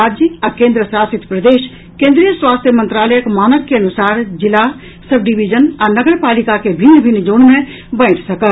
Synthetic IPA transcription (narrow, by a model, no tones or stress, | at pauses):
aːd͡ʒiɐ̃kẽːnd̪ɾəsaːsɪt̪pɾɐd̪eːʃ | kẽːnd̪ɾijəswaːst̪ʰjəmə̃nt̪ɾaːləjəkmaːnəkːeɐnusaːɾd͡ʒɪla | sɐbɖiʋid͡ʒənɐ̃nɐɡəɾpaːlikakebʱɪnːbʱɪnːd͡ʒoːɳmẽ | bɐ̃ɪ̃t̪sɐkə